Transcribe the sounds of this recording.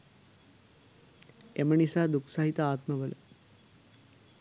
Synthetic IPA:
eməɳisaːd̪ukʰsaːɦit̪aaːt̪məʋələ̰

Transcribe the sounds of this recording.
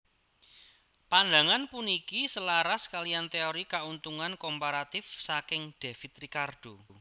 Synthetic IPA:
pand̪a̤ŋanpunikisəlaɾaskalijant̪eoɾikaunt̪uŋankompaɾat̪ɪfsakɪŋd̪̥e̤fit̪rikarɖ̥o

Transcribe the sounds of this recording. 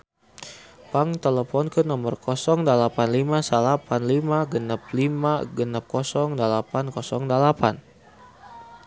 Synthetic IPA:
paŋt̪eləfɔnkɨnɔmərkɔsɔŋdəlapanlimasəlapanlimaɡənap̚limaɡənap̚kɔsɔŋdəlapankɔsɔŋdəlapan

